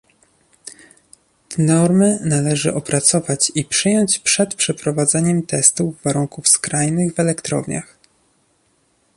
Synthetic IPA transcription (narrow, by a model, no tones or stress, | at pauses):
nɔɾmɘnalɛʐɘ̰ʔɔpɾat̪sɔvat͡ɕipʂɘjɔɲt͡ɕpʂɛt̪pʂɛpɾɔvad̪zɛɲɛmt̪ɛst̪uvːaɾuŋkufskɾajnɘɣvɛlɛkt̪ɾɔ̰vɲa̰x